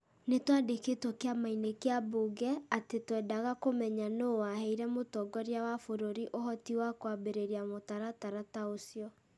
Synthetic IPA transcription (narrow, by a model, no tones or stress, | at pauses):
netwadeketwɔkeamainekeaboɡɛatetwɛːdaɣakomɛɲanowaɦɛiɾɛmotɔɡɔɾjawafoɾoɾiʔoɦɔtiwakwabeɾeɾiamotaɾataɾataosjɔ